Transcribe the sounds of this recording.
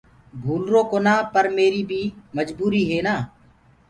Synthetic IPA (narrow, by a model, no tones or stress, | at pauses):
bʱuːlɾoːkoːnaːpəɾmeːɾiːbʱiːməd͡ʒbuːɾiːɦeːnaː